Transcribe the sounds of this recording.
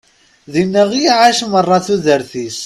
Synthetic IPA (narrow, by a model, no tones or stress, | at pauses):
ðinːəʁijʕaʃmərˤːɑθuðəɾθis